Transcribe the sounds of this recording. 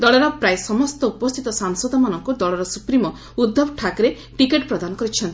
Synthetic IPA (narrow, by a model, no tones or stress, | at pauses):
d̪ɔɭɔɾɔpɾajsɔmɔst̪ɔupɔst̪ʰit̪ɔsaŋsɔd̪ɔmanɔŋkud̪ɔɭɔɾɔsupɾimɔ | ud̪ːobʱʈʰakɾe | ʈikeʈpɾɔd̪anɔkɔɾit͡ʃʰɔnt̪i